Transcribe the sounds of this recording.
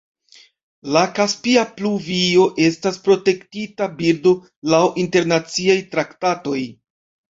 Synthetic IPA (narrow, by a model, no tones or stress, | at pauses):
lakaspiapluvio̞ʔe̞staspɾo̞te̞ktitabiɾdo̞ | lawʔinte̞ɾnat͡siajtɾaktato̞j